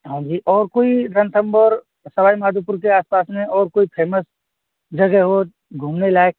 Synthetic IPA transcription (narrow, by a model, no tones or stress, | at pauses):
ɦãːd͡ʒiːʔɔːɾkoːiɾə̃nt̪ʰəmbɔɾ | sɐbaːimaːd̪ʱup̬ʊɾkeaːspaːsmẽʔɔːɾkoːipʰeːməs | d͡ʒɐɡɛɦo | ɡʱuːmnelaːek̚